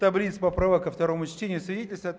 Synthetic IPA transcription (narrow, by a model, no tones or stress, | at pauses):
t̪ɐblʲit̪spəpɾavakːəft̪ɐɾo̞mʊt͡ɕtʲenʲɪjʊsvʲɪdʲetʲɪlʲst̪vəɐ